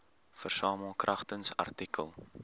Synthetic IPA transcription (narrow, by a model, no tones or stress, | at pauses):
fərsɑːməlˠkrʔɐχtənsɐ̰rtikʰə̰lˠ